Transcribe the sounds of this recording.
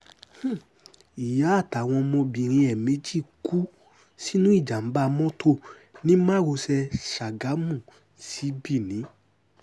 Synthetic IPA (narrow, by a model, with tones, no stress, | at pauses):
h̩˦˨ | i˨ja˨˦a˦˨ta˨w̃ɔ̃˧mɔ̃˧bi˨ɾ̃ĩ˧ɛ˨me˨˦d͡ʒi˦˨ku˦ | si˦nũ˦i˦˨d͡ʒa˨m̩˨˦ba˦˧mɔ̃˦tʰo˦˨ | nĩ˦mã˦wo˧sɛ˧ʃa˨ɡa˨˦mũ˦˨ | si˨˦bi˦˨nĩ˨˦